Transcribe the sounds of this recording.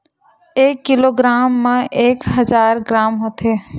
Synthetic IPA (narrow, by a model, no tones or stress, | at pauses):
eːkːiloɡɾaːmːeʔeːkɦəd͡ʒaːɾɡɾaːmɦot̪ɦe